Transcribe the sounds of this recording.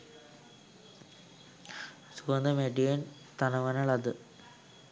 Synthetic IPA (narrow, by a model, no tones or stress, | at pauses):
sukɐnd̪ɐmeɖijɐn | t̪ɐnɐʋɐnɐɭɐðɨ